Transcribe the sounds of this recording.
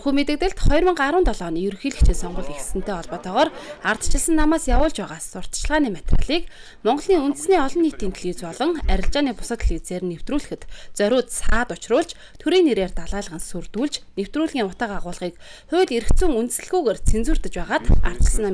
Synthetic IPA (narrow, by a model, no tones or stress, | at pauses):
xuːmet̪ɘ̆k̚t̪ɘ̆ɮt̪χɔjrmə̆ɴɢaɾʊːnt̪ɔɮɔːniːjɵɾxiːɮɘ̆kt͡ɕʰiːnsɔɴɢʊ̆ɮexsɘ̆n̥t̪ʰeːɔɮpɔːt̪ʰɔːʁɔːrart̪ə̥t͡ɕɪ̆ɮsə̆nːamaːsjawʊːɮt͡ɕpæːʁaːsːʊr̥t̪̆t͡ɕɪ̆ɮʁaːniːmat̪ra̰ɮiːk | mɔɴɢɞ̆ɮniːŋunt̪ɘ̆sniːɔɮɞ̆nːiːkt̪ʰiːnt̪ɮiwt͡spɔɮɞ̆ŋæɾʲɪ̆ɬt͡ɕaːniːpʊ̥sə̆t̪ɮiwt͡seːɾnːew̥t̪ruːɮɘ̆xɘ̆t̪t͡sœɾʲʊːt̪saːt̪ʊt͡ɕrʊːɮt͡ɕ | t̪ʰɵɾiːnːeɾeːrt̪aɮaːɮə̆ʁə̆nsurt̪uːɮt͡ɕnew̥t̪ruːɮɣʲiːŋʊt̪aːqaʁʊːɮʁiːkχʊːɮeɾɘ̆kt͡suːŋunt̪ɘ̆sɘ̆ɮɣujɣert͡sʰent͡sŭːr̥t̪ɘ̆t͡ɕpæːʁaːt̪a̰r̥t̪t͡ɕɪ̆ɮsə̆nam